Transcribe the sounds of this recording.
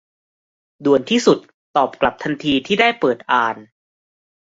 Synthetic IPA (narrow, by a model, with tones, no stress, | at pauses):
du˨˩ənt̪ʰiː˥˩su˨˩t̪ːɔː˨˩p̚kla˨˩p̚t̪ʰa˧nt̪ʰiː˧t̪ʰiː˥˩daː˥˩jpɤː˨˩t̪̚ʔaː˨˩n